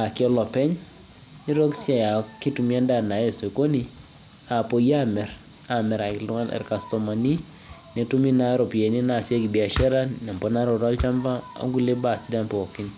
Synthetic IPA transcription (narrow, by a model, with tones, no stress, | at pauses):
a˨kɔ˦lɔ˨pɛ˦ɲ | ni˦ɾo˦ksja˨ja˨ki˦tu˨mi˦a˦nda˦˨na˨e˨so˨ko˦ni˦ | a˨po˨ja˦mɛ˨ɾ | a˨mɛ˨ɾa˨kɪ˨lu˦ŋa˦lɛ̰˨rka˨stɔ˨ma˨ni˦ | ne˨tu˦mi˦na˦ɾɔ˨pe˨ni˦na˨se˦ki˨bi˨a˨ʃɛ˦ɾa˦nna˨mbɔ˦na˦ɾɔ˨ta˦lt͡ʃa˦mba˦a̰˨ŋɡu˦le˦ba˨sti˦da˨npɔ˨ɔ˨ki˦n